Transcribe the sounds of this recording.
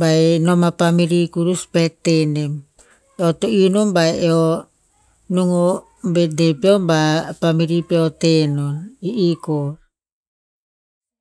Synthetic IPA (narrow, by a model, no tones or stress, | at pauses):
baenomapamiɾikuɾuspetːenem | eotoinombaeeo | nuŋo | bedepeombapamiɾipeotenoniʔiko